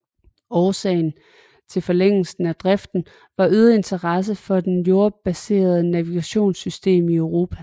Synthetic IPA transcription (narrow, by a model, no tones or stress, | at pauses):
ɒːsɛ̰ɪn̩ | t͡sʰe̝lfɒ̽leŋ̰l̩sn̩æd̥ʁɛfd̥n̩ | ʋɑ̈ʔyð̞ˠɐe̝nt͡sʰɐʁɑs̬əfɒ̽d̥enjo̝ɐb̥æse̝̰ːɐð̞ˠənæʋiɡ̥æɕo̝̰ːnsysd̥e̝̰ːmiœʊʁo̝ːpʰæ